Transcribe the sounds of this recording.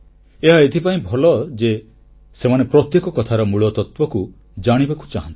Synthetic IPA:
eɦaet̪ʰipaĩbʱɔlɔd͡ʒe | semanepɾɔt̪jekɔkɔt̪ʰaɾɔmuɭɔt̪ɔt̪wɔku | d͡ʒaɽ̃ibaku̥t͡ʃaɦãnt̪i̥

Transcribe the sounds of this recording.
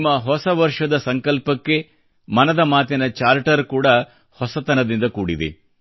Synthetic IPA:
mːɐɦɔsɐʋɐɾʂɐd̪ɐsɐŋkɐlpɐkːe̞ | mɐnɐd̪ɐmaːt̪inɐt͡ʃaːɾʈɐɾkuːɽɐ | hɔsɐt̪ɐnɐd̪ind̪ɐkuːɽid̪ḛ

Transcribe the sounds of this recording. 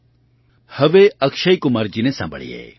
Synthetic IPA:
hɐʋeɐkʃɐikumɐɾd͡ʒinesã̰ːmbʱə̰ɭḭḛː

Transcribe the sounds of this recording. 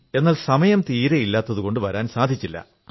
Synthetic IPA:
e̞nːaːlsɐmɐjɐmt̪iːɾɐjilːaːt̪ːɐðuko̞ɳɖɨʋɐɾaːnsaːd̪ʱit͡ɕːilːɐ̰

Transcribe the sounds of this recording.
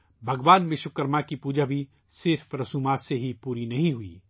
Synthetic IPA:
bʱɐɡʋaːnmɪʃʊkəɾmakipuːd͡ʒabʱi | sɪɾfɾɐsuːmaːt̪seɦipuːɾinɐɦĩɦʊḭː

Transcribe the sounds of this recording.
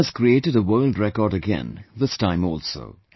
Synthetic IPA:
əz̥kɹieɪʈɨɾəwɜːldɹɛkɔːɾɨɡɛ̰̃nðɪstãɪ̃mɔːlˠso̰ʊ

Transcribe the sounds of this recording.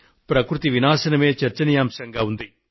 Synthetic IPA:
pɾɐkɾut̪iʋinaːsɐnɐmeːt͡ʃɐɾt͡ʃɐnijaːmsɐŋɡaːund̪i

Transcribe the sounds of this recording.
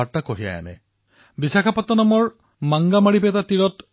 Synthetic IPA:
aɹtakoɦija̰ja̰nɛ̰ | bisakʰapatːɔnamɔɹ | maŋɡamaɹipɛtatiɹɔt

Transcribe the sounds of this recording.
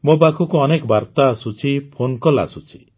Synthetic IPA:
mobakʰukuɔnekɔbaɾt̪aːsut͡ʃʰipʰonkɔla̰sut͡ʃʰi̥

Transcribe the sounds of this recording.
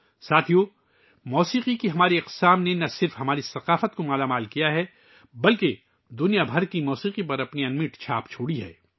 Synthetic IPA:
saːt̪ʰijoː | mɔːsiːqikiɦɐmaːɾiɐq̪saːmnenɐsɪɾfɦɐmaːɾisɐqaːfət̪komaːlamaːlkijaɦɛ | bɐlke | d̪ʊnijabʱɐɾkimɔːsiːqipɐɾɐpniɐnmɪʈt͡ʃʰa̰ːpt͡ʃʰoːɽiɦɛ̰ː

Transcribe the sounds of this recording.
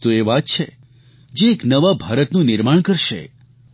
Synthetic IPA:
t̪oeʋat̪̚t͡ʃʰḛ | d͡ʒeːknəʋabʱaɾət̪nũnɪɾmaɳ̃kəɾʃḛ

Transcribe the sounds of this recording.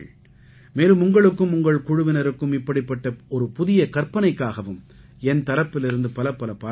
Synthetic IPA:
meːlɯmʊŋɡɐɭɯkːɯmʊŋɡɐɭkʊɻʊʋɪnɐɾɯkːɯmɪpːɐɽɪpːɐʈːɐɔɾɯpʊðɪjɐkɐrpɐnɐɪkːaːɣɐʋɯm | ɛnt̪ɐlɐpːɪlɪɾɯnd̪ɯpɐlɐpːɐlɐpaː

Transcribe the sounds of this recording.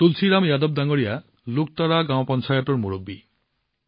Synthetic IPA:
t̪ulsʰiɾamjad̪ɔb̚d̪aŋɔɽija | luk̚t̪aɾaɡãw̃pɔnt͡ʃajɔʈɔɾmuɾobːi

